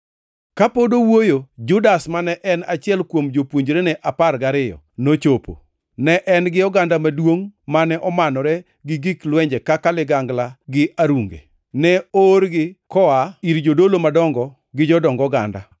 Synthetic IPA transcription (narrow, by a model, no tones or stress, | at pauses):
kapodowojod͡ʒʊdasmanɛʔɛnat͡ʃɪɛlkwomd͡ʒopwoɲd͡ʒɾɛnɛʔaparɡaɾɪjɔ̰not͡ʃopo̰ | nɛʔɛnɡɪɔɡandamadwoŋmanɛʔɔmanɔɾɛ | ɡɪɡiklwɛɲd͡ʒɛkakalɪɡaŋɡlaɡɪaɾuŋɡḛ | nɛoɾɡɪkɔaiɾd͡ʒodolomadɔŋɡɔ | ɡɪd͡ʒɔdɔŋɡɔɡa̰nda̰